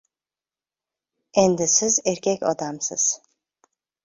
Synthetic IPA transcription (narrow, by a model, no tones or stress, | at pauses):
ɛnd̪isizɛɾcʲʰɛcʲo̰d̪amsɯ̰z̥